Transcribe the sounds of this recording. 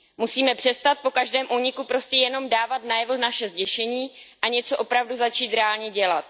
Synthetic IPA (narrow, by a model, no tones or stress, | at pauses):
musiːmɛpr̥ɛst̪at̪̚po̞kaʒdɛːmʔuːɲɪkupɾo̞scɛjɛno̞mdaːvat̪najɛvo̞naʃɛzɟɛʃɛɲiːʔaɲɛt͡so̞ʔopɾavduzat͡ʃiːt̪ɾɛaːlɲɛɟɛlat̪